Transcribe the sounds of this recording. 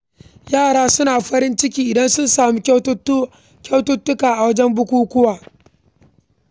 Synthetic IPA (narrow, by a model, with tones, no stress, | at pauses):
jaː˦˨ɽaː˦sʊ˦naː˨ɸɐ˦ɾɪ˦nt͡ʃɪ˦kʲiː˦ʔɪ˨dɐ˦nsʊ˦nsaː˨muː˦ | kʲɐ˦wtʊ˦tːʊ˦kaː˨ʔa˨wɐ˦d͡ʒɛ˦mbʊ˦kʷuː˦kʷʊ˦waː˨